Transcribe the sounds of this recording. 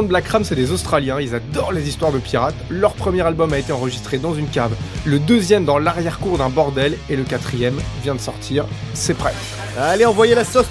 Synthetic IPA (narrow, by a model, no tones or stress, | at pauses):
d̪̚blakχamsɛd̪ezost̪χaljɛ̃ilzad̪ɔʁlezist̪waʁd̪əpiʁat̪lœʁpχəmjɛʁalbɔmaet̪eɑ̃ʁəʒist̪χed̪ɑ̃zynkavləd̪øzjɛmd̪ɑ̃laʁjɛʁkuʁd̪ɛ̃bɔʁd̪ɛleləkat̪χijɛmvjɛ̃d̪əsɔʁt̪ʰiːʁ | sɛpχɛt̪ | aleɑ̃vwajelasɔ